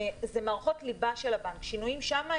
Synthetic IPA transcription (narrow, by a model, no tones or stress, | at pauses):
zemaʁχo̞tlibaʃelabaŋkʃinuimʃama